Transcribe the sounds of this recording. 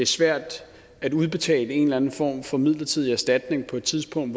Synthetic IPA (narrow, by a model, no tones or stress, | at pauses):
eæɐsʋæɐ̰d̥ | æɾuð̞ˠb̥e̝t͡sʰɛ̰ːləe̝nlæn̩fɒ̰ːmfɒ̽mið̞̰ˠlɐt͡sʰið̰ˠiæsd̥æd̥ne̝ŋpʰɒ̽e̝d̥t͡sʰiðˠsb̥ʰɔ̽ŋ̰d̥